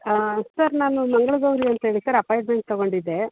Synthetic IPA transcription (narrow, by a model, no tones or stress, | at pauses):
sɐɾnaːnumɐŋɡɐɭuɡɐʋɾiɐnt̪ɐɦeːɭisɐɾɐpaːjʈme̞ɳʈ̚t̪ɔɡo̞ɳɖid̪ːe̞